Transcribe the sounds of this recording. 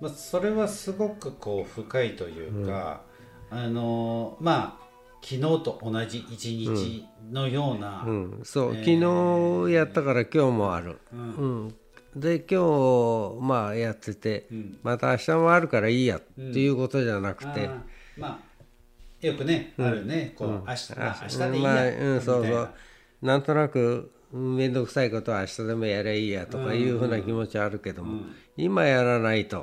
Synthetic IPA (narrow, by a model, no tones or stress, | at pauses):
maso̞ɾe̞βasɨɡo̞kɯ̟ko̞ːɸɯ̟kait̪o̞jɯ̟̰ːkːa̰ː | nomaː | kʲʰino̞ːt̪o̞ʔonaʑiʔit͡ɕiɲĩt͡ɕːino̞jo̞ːnaɯ̟̃ːso̞ːkʲino̞ːjat̪ːakaɾakʲo̞ːmo̞a̰ɾɯ̟̰ɯ̟̃ː | d̪e̞kʲo̞ː | majat̪ːe̞t̪e̞mat̪aːɕi̥t̪amoaɾɯ̟kaɾaiːja̰t̪ːe̞jɯ̟ːko̞t̪o̞ʑanakɯ̟̥t̪e̞ma | jokɯ̟nẽnekoɯ̥̃a̰maɯ̃ːso̞ːsoː | nãnt̪o̞nakɯ̟ | ɯ̃mẽ̞nd̪o̞kɯ̟̥saiko̞t̪o̞βaːɕi̥t̪ad̪e̞mo̞jaɾeiːjat̪o̞kajɯ̟ːɸɯ̟ːnakʲimo̞t͡ɕiβaaɾɯ̟ke̞d̪o̞mo | imajaɾanait̪o̞̰